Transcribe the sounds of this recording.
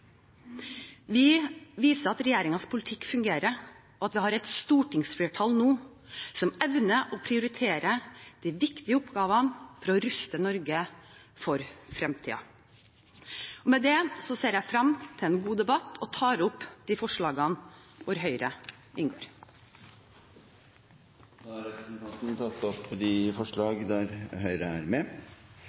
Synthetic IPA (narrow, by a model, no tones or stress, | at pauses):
ʋɪʋiːsəɾɑt̪ɾɛjeːɾɪŋɑnspʰʊlɪt̪ʰɪkːfʉŋɡeːɾə | ɔɑt̪ʋɪhɑːɾɛt̪st̪uːʈɪŋsfleːʈʰɑːlnoː | sɔmɛʋnəʔɔpʰɾɪʊɾɪt̪ʰeːɾəd̪̥iʋɪkt̪ɪəʊpɡɑːʋɑnfɔɾɑɔɾʉst̪ənɔɾɡə | fɔɾfɾɛmt̪ʰḭːɑ̰ | ɔmɛd̪ɛsɔseːɾjæɪfɾɑmt̪ʰɪlɛːnɡuːd̪ɛbɑt̪ːɔt̪ʰɑːɾʊpːd̪̥iːfɔʂɭɑːɡɑnʋʊɾɦœʏɾə | ʔɪnɡo̰ːɾ | d̪ɑɾɛpɾəsnt̪ʰɑnt̪nt̪ʰɑt̪ːɔpɔd̪ifɔʂɭɑːɡd̪æɾhœʏɾəæɾmɛ